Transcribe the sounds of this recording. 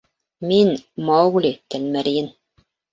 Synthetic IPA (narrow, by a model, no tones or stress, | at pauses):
minmɑɣlʲit̪ælmæɾijɘn